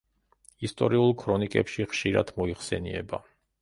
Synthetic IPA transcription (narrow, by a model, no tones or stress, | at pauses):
ist̪ʼɔɾiulˠkʰɾɔnikʼɛpʃiχʃiɾad̪̥mɔiχsɛnḭɛ̰ba̰